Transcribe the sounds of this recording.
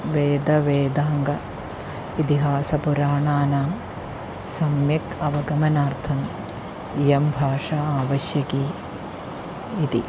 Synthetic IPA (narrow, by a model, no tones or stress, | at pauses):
ʋeːd̪ɐʋeːd̪aːŋɡɐ | it̪iɦaːsɐpuɾaːɳaːnaː | sɐmjɐkɐʋɐɡɐmɐnaːɾt̪ʰɐm | ijɐmbʱaːʂaːaːʋɐʃjɐkiː | t̪i